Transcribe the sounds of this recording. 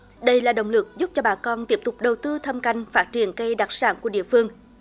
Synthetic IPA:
ɗə˧jlaː˨˩ɗə̰˧˨wŋ͡mlɨ˨˩k̚zʊ˦˥p̚t͡ɕɔ˧ɓaː˨˩kɔ˧nt̪i˦˥əp̚t̪ʊ˨˩k͡p̚ɗə˨˩wt̪ɨ˧t̪ʰə˧mka˧˩jŋ̟faː˦˥t̚t͡ɕi˨˧˩ənkə˧jɗaː˨˩t̚saː˧˦nku˧˩əɗḭ˧˨əfɨ˧əŋ

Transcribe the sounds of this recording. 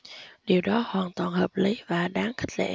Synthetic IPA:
ɗi˨˩əwɗɔ˨˦hwaː˨˩nt̪waː˨˩nhəː˨˩p̚li˨˦vaː˨˩ɗaː˨˦ŋxï˦˥k̚lḛ˧˥

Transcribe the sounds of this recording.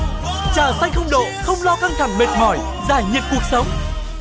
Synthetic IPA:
t͡ɕaː˧˩sa˧jŋ̟xə˧wŋ͡mɗo̰˧˨xə˧wŋ͡mlɔ˧ka˧ŋt̪ʰa˨˧˩ŋɓe˨˩t̚hɔ˧˩j | zaː˧˩jɲi˨˩əp̚ku˨˩ək̚sə˨˦wŋ͡m

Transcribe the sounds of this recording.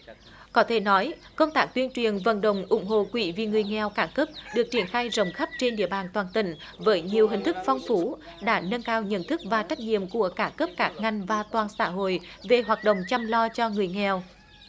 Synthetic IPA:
kɔ˨˦t̪ʰe˧˩nɔ˨˦jkə˧wŋ͡mt̪aː˦˥k̚t̪wi˧ənt͡ɕwi˨˩ənvə̰˧˩nɗə̰˧˨wŋ͡mʔʊ̰˧˩˦ŋ͡mɦo̰˧˨kwḭ˧˩vḭ˧˨ŋɨ˨˩əjŋɛ˨˩wkaː˧˩kəː˦˥p̚ɗɨ˨˩ək̚t͡ɕi˧˩ənxaː˧jzə˨˩wŋ͡mxə˦˥p̚t͡ɕe˧nɗḭ˧˨əɓaː˨˩nt̪waː˨˩nt̪ï˧˩ŋ̟ | vəː˨˦jɲi˨˩əwɦï˨˩ŋ̟t̪ʰɨ˦˥k̚fɔ˧wŋ͡mfu˨˦ | ɗa̰ː˧˥nə˧nkaː˧wɲə̰˧˨nt̪ʰɨ˦˥k̚vaː˨˩t͡ɕa˦˥k̚ɲḭ˧˨əmku˧˩əkaː˦˧˩kəː˦˥p̚kaː˦˥k̚ŋa˨˩jŋ̟vaː˨˩t̪waː˨˩nsa̰ː˧˥ɦo̰˧˨jve˨˩ɦwaː˨˩t̚ɗə̰˧˨wŋ͡mt͡ɕa˧mlɔ˧t͡ɕɔ˧ŋɨ˨˩əjŋɛ˨˩w

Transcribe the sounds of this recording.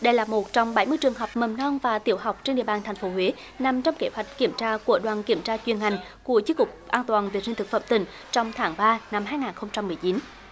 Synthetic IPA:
ɗə˧jlaː˨˩mo˨˩t̚t͡ɕɔ˧wŋ͡mɓa˧˦jmɨ˧jt͡ɕɨ˨˩əŋɦə˨˩wk͡p̚mə˨˩mnɔ˧nvaː˨˩t̪i˧˩əwɦa˨˩wk͡p̚t͡ɕe˧nɗḭ˧˨əɓaː˨˩nt̪ʰɛ˨˩jŋ̟fo˨˦hwe˨˦ | na˨˩mt͡ɕɔ˧wŋ͡mke˨˦hwa˨˩jk̟̚ki˧˩əmt͡ɕaː˧ku˧˩əɗwaː˨˩nki˧˩əmt͡ɕaː˧t͡ɕwi˨˩ənha˨˩jŋ̟ | ku˧˩ət͡ɕi˧˦kʊ˨˩k͡p̚ʔaː˧nt̪waː˨˩nve˨˩t̚si̟˧t̪ɨ˨˩k̚fə̰˧˨mt̪ï˧˩ŋ̟ | t͡ɕɔ˧wŋ͡mt̪ʰaː˨˦ŋɓaː˧na˧mɦaː˧jŋaː˨˩nxə˧wŋ͡mt͡ɕa˧mːɨ˨˩əjt͡ɕi˨˦n

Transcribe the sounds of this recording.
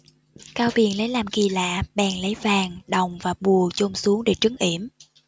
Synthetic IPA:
kaː˧wɓi˨˩ənlə˨˦jlaː˨˩mki˨˩la̰ː˧˨ɓɛ̰ː˨˩ŋlə˨˦jvaː˨˩ŋɗə˨˩wŋ͡mvaː˨˩ɓu˨˩ət͡ɕo˧ŋ͡msu˨˦əŋɗḛ˧˩t͡ɕɨ˨˦ŋʔḭ˧˩əm

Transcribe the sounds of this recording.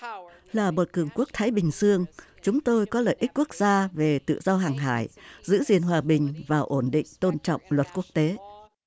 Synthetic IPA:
laː˨˩mo˨˩t̚kɨ˨˩əŋku˦˥ək̚t̪ʰaː˨˦jɓï˨˩ŋ̟zɨ˧əŋt͡ɕʊ˨˦ŋ͡mt̪o˧jkɔ˨˦lə̰ː˧˨jʔi̟˦˥ku˦˥ək̚z̥aː˧ve˨˩t̪ɨ̰˧˨zɔ˧ɦaː˨˩ŋɦa̰ː˧˩jzɨ̰˧˥zi˨˩ənɦwaː˨˩ɓï˨˩ŋ̟vaː˨˩wʔo˧˩nɗḭ̈˧˨ŋ̟t̪o˧nt͡ɕɔ̰˧˨wŋ͡mlwə˨˩t̚ku˦˥ək̚t̪e˨˦

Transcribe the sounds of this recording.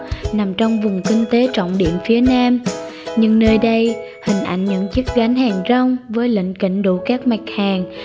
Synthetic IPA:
na˨˩mt͡ɕɔ˧wŋ͡mvʊ˨˩ŋ͡mkï˧ŋ̟t̪e˨˦t͡ɕɔ̰˧˨wŋ͡mɗḭ˧˨əmfi˨˦ənaː˧m | ɲɨ˧ŋnəː˧jɗə˧j | hï˨˩ŋ̟ʔa̰˧˩jŋ̟ɲə̰˧˥ŋt͡ɕɨ˦˥k̚ɣa˨˦jŋ̟haː˨˩ŋzə˧wŋ͡mvəː˨˦jlḭ˧˨ŋ̟kḭ̈˧˨˥ŋ̟ɗṵ˧˩kaː˦˥k̚ma˨˩k̟̚haː˨˩ŋ

